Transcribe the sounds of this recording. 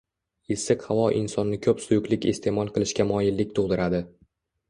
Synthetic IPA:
ɪsɨqhavɒʔɪnsɒnːɪkʲʰɵpsʊjʊkʲlɪkʲḛst̪ʰe̞mɒlˠqɨlˠɪʃkʲamɒjɪlːɪkʲt̪ʰoʁd̪ɪɾad̪ɪ

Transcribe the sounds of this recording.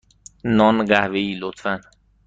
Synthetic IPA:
nɒnɢæhveiːlot̪fæn

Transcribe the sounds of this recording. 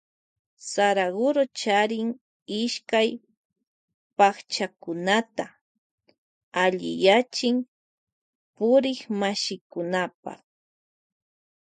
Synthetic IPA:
saɾaɢʊɾot͡ʃaɾɪŋ | ɪʃkaj | paχt͡ʃakʊnat̪a | aʎɪ̰jat͡ʃɪŋ | pʊɾɪxmaʃɪkʊnapa̰χ

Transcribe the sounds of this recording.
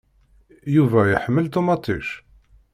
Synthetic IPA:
juvæjəħəmːəlt̪umɑt̪ˤiʃ

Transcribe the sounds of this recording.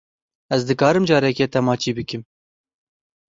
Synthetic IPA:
ɛzd̪ɨkɑːɾɨmd͡ʒɑːɾɛkeːt̪ɛmɑːt͡ʃiːbɨkɨm

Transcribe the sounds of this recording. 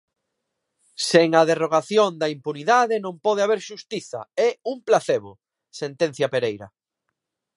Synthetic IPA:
seŋɐðeroɣaθjond̪ɐimpuniðaðɪnõmpɔð̞eaβ̞eɾʃust̪iθɐ̰ɛumplaθeβo | sent̪ẽnθjɐpeɾejɾɐ̰

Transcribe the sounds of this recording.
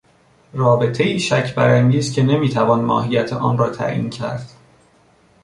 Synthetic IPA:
rɒːbe̞t̪ʰeiːʃæcʰbæɾænd̪iːst̪̚cʰʲe̞ne̞miːt̪ʰævɒːnmɒ̰ːɦijæt̪ʰeʔɒːnrɒːt̪ʰæ̰ʔḭːncʰæ̰ɾd̪̥

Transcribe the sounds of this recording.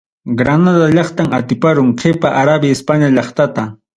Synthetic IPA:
ɡɾanad̪aʎɑχt̪amat̪ɪpaɾʊŋqʰepaʔaɾabjaɪspaɲaʎɑχt̪at̪a

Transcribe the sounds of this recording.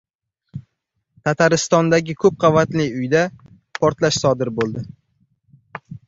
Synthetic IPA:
t̪ʰat̪ʰaɾɪst̪ɒnd̪aɡʲɪkʰɵp̚qʰɑvat̪lɪʊjd̪a | pʰɒɾt̪laʃsɒd̪ɪɾbolˠd̪ɪ

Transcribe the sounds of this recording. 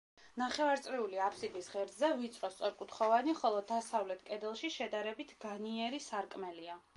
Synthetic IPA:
naχɛvaɾt̪sʼɾiuliapʰsibisʁɛɾd̪zɛvit̪sʼɾɔst̪sʼɔɾkʼut̪χɔvaniχɔlˠɔd̪asavlɛt̪ʰkʼɛd̪ɛlˠʃiʃɛd̪aɾɛbit̪ʰɡaniɛɾisaɾkʼmɛlia

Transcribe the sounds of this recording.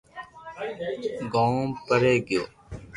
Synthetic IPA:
ɡõːmpəɾeːɡɪjo̰ː

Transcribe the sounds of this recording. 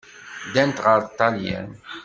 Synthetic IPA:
d̪ænt̪ʁəɾt̪ˤːɑljæ̰n

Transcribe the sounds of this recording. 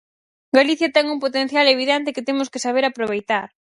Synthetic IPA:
ɡaliθjat̪ɛŋuŋpot̪ẽn̟θjaleβiðent̪ekɪt̪emʊskesaβ̞eɾapɾoβ̞ejt̪aɾ

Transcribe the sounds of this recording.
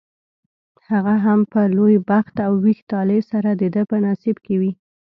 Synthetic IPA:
haɣaɦampəlojbaxt̪awːixt̪ɑlesaɾad̪əd̪əpənasibkewi

